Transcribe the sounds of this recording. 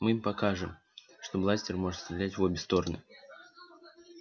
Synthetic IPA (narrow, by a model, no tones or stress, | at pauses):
mɨimpɐkaʐɨm | ʂt̪oblˠasʲtʲɪrmo̞ʐɨt̪st̪ɾʲɪlʲætʲvobʲɪst̪o̞ɾənɨ̰